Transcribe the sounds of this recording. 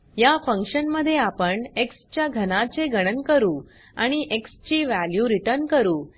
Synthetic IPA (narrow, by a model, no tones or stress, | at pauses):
jafə̃ŋkɕənməd̪ʱːjeapəɳekst͡ɕjaɡʱənãt͡ɕeɡəɽ̃ənkəɾuː | a̰ɽ̃iʔekst͡ɕiːʋæljuɾiʈəɾnkəɾuː